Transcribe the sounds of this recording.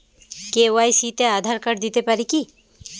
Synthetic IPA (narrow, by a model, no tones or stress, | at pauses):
keʋajsit̪ead̪ʱaɾkəɾd̪it̪epaɾiki